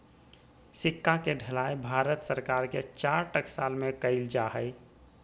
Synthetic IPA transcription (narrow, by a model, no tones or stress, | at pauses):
sɪkːakeɖʱəlaːebʱaːɾət̪səɾkaːɾket͡ʃaːɾʈəksaːlmẽkəɪld͡ʒaɦəɪ